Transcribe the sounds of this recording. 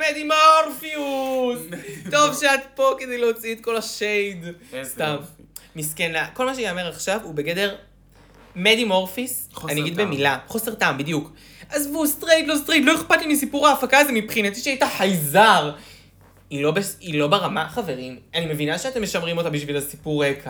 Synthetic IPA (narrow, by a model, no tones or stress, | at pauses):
med̪imoʁfiusto̞vʃeat̪̚po̞ked̪ejleot͡siit̪ko̞laʃejd̪st̪ammiskenako̞lmaʃeniome̞ʁaχʃavubeɡede̞ʁ | med̪imo̞ʁfisaniaɡid̪bemilaχose̞ʁt̪ambid̪juk | ʔazvust̪ʁejtlo̞st̪ʁetlo̞eχpatlimisipuʁaːfakaːzemipχinat̪iʃeaitaħajzaʁ | ilo̞beilo̞beʁamaχave̞ʁimanime̞vinaʃeat̪e̞mːeʃamʁimo̞tabiʃvilasipuʁekʰa